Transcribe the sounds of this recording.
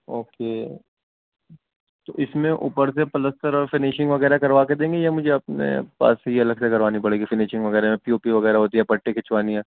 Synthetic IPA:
oːkeː | t̪oːʔɪsmẽʔṵːpəɾsepɐləst̪əɾɔːɾfɪnɪʃɪ̃ŋɡʋɐɣɛːɾakɐɾʋaːked̪ẽːŋɡejamʊd͡ʒʱeɐp̚nḛpa̰ːsejeɐləɡsekɐɾʋaːnipɐɽeːɡifɪnɪʃɪ̃ŋɡʋɐɣɛːɾamẽpioːpiʋɐɣɛːɾaɦoːt̪iɦɛpɐʈːekʰɪt͡ʃʋaːniɦɛ̃ː

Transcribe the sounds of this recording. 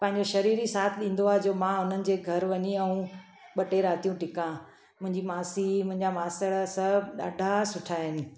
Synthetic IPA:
pɐ̃ɦɪ̃ɲd͡ʑoʃɐɾiːɾisaːt̪ʰɗĩːnd̪oaːɦd͡ʑoːmãɦʊn̤ənɪ̆d͡ʑeːɡʱɐɾʋɐɲiɐ̃ũ | ɓɐʈeɾaːt̪ijũʈɪkã | mʊ̃ɦɪ̃ɲd͡ʑimaːsimʊ̃ɦɪ̃ɲd͡ʑamaːsəɭsɐbɗa̰ːɖʱasʊʈʰaːɦɪnɪ̆

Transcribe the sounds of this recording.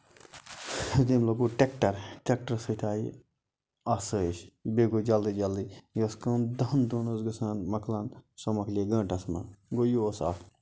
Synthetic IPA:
d̪imloɡuʈekʈɐɾʈek̚ʈɐɾsɨt̪ʰaːi | ɐsəʃbeɡod͡ʒɐld̪id͡ʒɐlːijɐskɐ̃ːnd̪ɐnd̪unusɡɨsaːnmɐkʰlɐnsomɐkʰlʲiɡɐ̃ːʈɐsmɐ̰ɡojoːsɐ̰f

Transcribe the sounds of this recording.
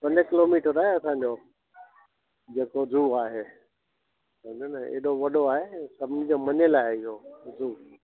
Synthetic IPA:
pɐ̃ɲəkɪloːmiːʈəɾaːɦeɐsãɲd͡ʑoː | d͡ʑeːkozuːaːɦeː | sɐ̃d̪onəḛːɗoʋɐɗoaːɦesɐbʱnid͡ʑomɐɲelaːɪɪɦozuː

